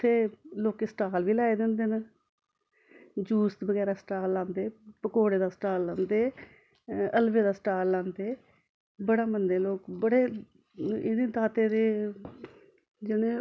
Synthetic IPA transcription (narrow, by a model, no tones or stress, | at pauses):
t̪ʰeːloːkesʈaːlʋiːlaːeːd̪ɪ̃ːnd̪eːnə | d͡ʒuːst̪bəɡɛːɾaːsʈaːlːãːnd̪eːpəkoːɽeːd̪aːsʈaːlːãːnd̪eː | əlʋeːd̪aːsʈaːlːãːnd̪eː | bəɽaːmənd̪eːloːkbəɽeː | ɪneːt̪aːt̪eːd̪eː | d͡ʒɪnẽː